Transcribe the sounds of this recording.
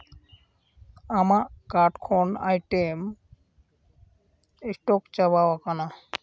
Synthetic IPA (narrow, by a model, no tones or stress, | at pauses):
amakaɾʈkʰona̰jʈem | esʈokt͡ɕabawakana